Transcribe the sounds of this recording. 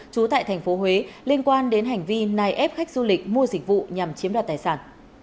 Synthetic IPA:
t͡ɕu˨˦t̪a̰ː˧˨jt̪ʰŋ̟fo˨˦ɦwe˨˦li˧ənkwaː˧nɗe˨˦nɦa˨˩jŋ̟vi˧naː˨˩jʔɛ˦˥p̚xa˦˥k̚zu˧lï˨˩k̟̚mu˧əzï˨˩k̟̚vṵ˧˨ɲa˨˩mt͡ɕi˨˦mɗwaː˨˩t̪ːjsaː˧˩n

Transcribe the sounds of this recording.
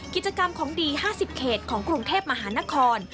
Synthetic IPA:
ki˨˩t͡ɕa˧ka˧mkʰɔː˩˦ŋdiː˧haː˥˩si˨˩p̚kʰeː˨˩t̪̚kʰɔː˩˦ŋkɾu˧ŋt̪ʰeː˥˩p̚ma˧ɦaː˩˦na˦˥kʰɔː˧n

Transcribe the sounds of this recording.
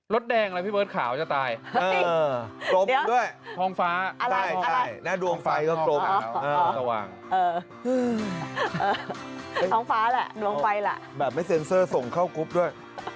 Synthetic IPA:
ɾo˦˥t̪̚dɛː˧ŋ˧lpʰiː˥˩bəː˦˥˩t̪̚kʰaː˩˦wt͡ɕa˨˩t̪aː˧jɤː˧klo˦˥pdu˥˩əjtʰɔː˧ŋfaː˦˥ʔt͡ɕʰa˧˥˧ja˥˩˧jna˦˥˩du˧əŋfa˧jkɔː˥˩lo˦˥p̚ːɤː˧a˧wa̰ː˧ŋ | ʔɤː˧ | ʔɤː˧ | ʔɤː˧ | t̪ʰɔː˧ŋfaː˦˥lɛ˨˩ʔdu˧əŋfa˧jlɛ̰˨˩ʔbɛː˨˩p̚ma˥˩jse˧˦nsɤː˥˩so˨˩ŋkʰa˥˩wku˦˥p̚du˥˩əj

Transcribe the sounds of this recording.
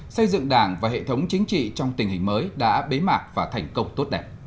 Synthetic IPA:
sə˧jzɨ̰˧˨ŋɗaː˧˩ŋvaː˨˩hḛ˧˨t̪ʰə˨˦wŋ͡mt͡ɕï˨˦ŋ̟t͡ɕḭ˧˨t͡ɕɔ˧wŋ͡mt̪ï˨˩ŋ̟hï˨˩ŋ̟məː˨˦jɗa̰ː˧˥ɓe˨˦maː˨˩k̚vaː˨˩t̪ʰa˨˩jŋ̟kə˧wŋ͡mt̪o˦˥t̚ɗɛ˨˩p̚

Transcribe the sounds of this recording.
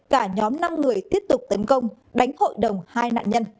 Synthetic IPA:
kaː˧˩ɲɔ˨˦mna˧mŋɨ˨˩əjt̪i˦˥əp̚t̪ʊ˨˩k͡p̚t̪ə˨˦nkə˧wŋ͡m | ɗa˨˦jŋ̟ho̰˧˨jɗə˨˩wŋ͡mhaː˧jna̰ː˧˨nɲə˧n

